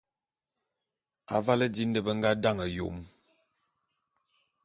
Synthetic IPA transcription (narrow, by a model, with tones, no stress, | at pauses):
a̰˨va˦lə˦di˦n˦də˦˨bə˦ŋ̩˦ɡa˦da˦˨ŋə˨jo̰˨m